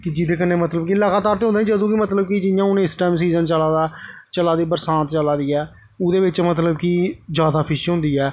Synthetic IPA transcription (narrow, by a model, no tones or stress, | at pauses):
kɪd͡ʒɪd̪eːkənːeːmət̪ləbkilaːɡaːt̪aːɾt̪eːõnd̪eːĩːd͡ʒəd̪õːkɪmət̪ləb̚kid͡ʒɪjãːʊnẽːɪsʈɛːmsiːzənt͡ʃəlaːd̪aː | t͡ʃəlaːd̪iːbəɾsãːnt̪t͡ʃəlaːd̪iːɛː | ʊd̪eːbɪt͡ʃmət̪ləbkiːd͡ʒjaːd̪aːpʰɪʃiːɦʊ̃nd̪iːɛː